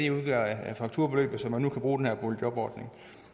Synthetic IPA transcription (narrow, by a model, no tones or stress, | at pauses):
euðˠɡ̥æɐææfɑ̈ɡ̥̚t͡sʰuɐ̰b̥e̝lø̰ːb̥ð̩ˠsɒ̽mːænːukʰæb̥ʁuːdenhæɐb̥oljɒ̽b̥ɒ̰ːd̥ne̝ŋ